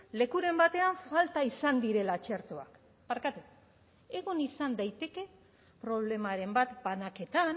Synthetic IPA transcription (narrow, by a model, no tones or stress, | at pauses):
le̞kuɾe̞mbat̪e̞aɱfalt̪aisand̪iɾe̞lat͡ʃe̞ɾt̪oa̰k | paɾkat̪uk | e̞ɣunisand̪ajt̪e̞ke̞ | pɾo̞βle̞maɾe̞mbat̪banake̞t̪an